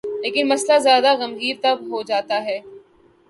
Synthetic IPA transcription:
leːkɪnmɐslazjaːd̪aɣɐmɣiːɾt̪ɐbɦod͡ʒaːt̪aɦɛː

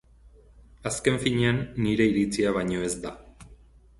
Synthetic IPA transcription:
aske̞ɱfiɲeanːiɾe̞iɾit͡siaβ̞aɲo̞e̞zd̪a

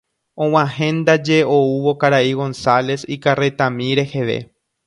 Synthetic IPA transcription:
õw̃ãɦẽ̞nd̪ad͡ʒe̞ouʋo̞kaɾaiɣo̞nsale̞sikaret̪ãmĩɾe̞he̞ʋe̞̰

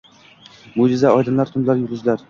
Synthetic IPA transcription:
mʊd͡ʒɪzaɒjd̪ɪmlaɾt̪ʰʊnlaɾjʊɾɪzlaɾ

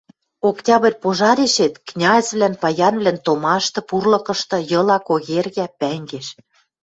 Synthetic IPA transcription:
oktʲɑβĕrʲpoʒɑɾeʃet̪knʲɑesβlænpɑjɑnβlænt̪omɑʃt̪ɤ̆purlɤ̆kɤ̆ʃt̪ɤ̆jɤ̆lɑkoɣerɣæpæŋɡeʃ

